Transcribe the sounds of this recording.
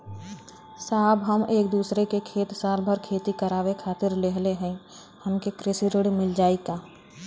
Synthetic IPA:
saːbɦəmeːk̚d̪uːsɾekekʰeːt̪saːɾbʱəɾkʰeːt̪ikəɾaːwekʰaːt̪ɪɾleɦleɦɛ̃ | həmkekɾɪsiɾɪɽmɪld͡ʒaːikaː

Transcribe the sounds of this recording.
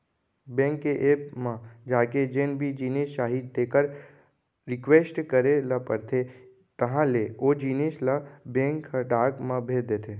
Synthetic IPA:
bɛ̃ːŋkːeʔeːpmãd͡ʒaːked͡ʒenbʱid͡ʒiːneːsʃaːɦiːd̪ːeːkəɾ | ɾɪkʋeːsʈkəɾelapəɾt̪ʰe | t̪ɐɦãleoːd͡ʒiːneːslabɛ̃ːŋkːəʈaːkmãbʱeːd̪et̪ʰeː

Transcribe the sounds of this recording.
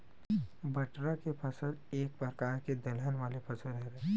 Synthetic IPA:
bɐʈɾakepʰɐsəleːk̚bɐɾkaːɾked̪ɐlaːnʋaːlepʰɐsəɾɛɦɾɛ

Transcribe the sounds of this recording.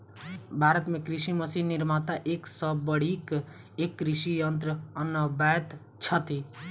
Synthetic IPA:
bʱaːɾət̪mẽkɾiʃiməsiɦniɾmat̪aʔeːksəbːəɽ̤ik | ekːɾiʃijənt̪ɾəənːəbɛːt̪ | t͡ʃʰət̪i

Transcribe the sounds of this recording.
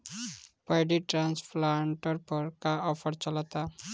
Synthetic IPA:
pɔjɖiʈɾanspʰlaɳʈɔɾpɔɾkaɔpʰɔɾt͡ɕɔlat̪a

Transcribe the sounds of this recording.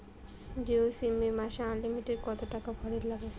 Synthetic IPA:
d͡ʒeosimːeɾmaʃeanlimiʈeɖkɔt̪oʈakabʱɔɽeɾlaɡe

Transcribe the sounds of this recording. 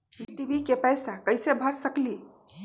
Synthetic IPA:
iʈibʱikepəjsakəjsebʱəɾsəkli

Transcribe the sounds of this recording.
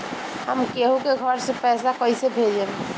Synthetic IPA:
ɦəmkeɦũkeɡʱəɾsẽpɛːsakəisebʱed͡ʒem

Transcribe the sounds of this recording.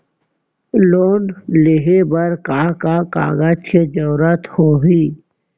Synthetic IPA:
loːnleɦebəɾkaːkaka̰ːɡad͡ʒked͡ʒɔːɾət̪hoːɦiː

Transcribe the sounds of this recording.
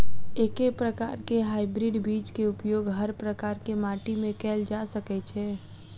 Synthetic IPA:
eːkepɾəka̰ːɾkeɦaːɪbɾiɖbiːt͡ʃkeʊpjoːɡɦəɾpɾəkaːɾkemaːʈimẽkɛːld͡ʒasəkɛt͡ʃʰɛː

